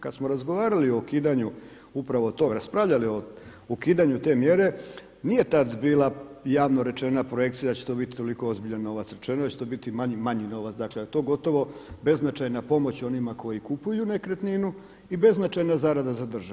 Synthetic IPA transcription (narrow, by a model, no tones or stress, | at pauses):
kad̪smoɾazɡo̞ʋaːɾalio̞kiːd̪aɲu | upɾaʋo̞t̪o̞ɾaspɾaʋʎalio̞okiːd̪aɲut̪e̞mje̞ɾe̞ | nije̞t̪ad̪biːlajaːʋno̞ɾe̞t͡ʃe̞napɾoje̞k̚t̪sijad̪at͡ɕet̪o̞bit̪i̥t̪o̞liko̞o̞zbiʎanːo̞ʋat̪sɾe̞t͡ʃenod̪at͡ɕet̪oːbit̪imaɲimaɲino̞ʋat̪sd̪aklet̪o̞ːɡo̞t̪o̞ʋo̞be̞znat͡ʃajnapo̞mo̞t͡ɕo̞nimako̞jikupujunekɾet̪ninu | ibe̞znat͡ʃajnazaɾad̪azad̪r̩ʒa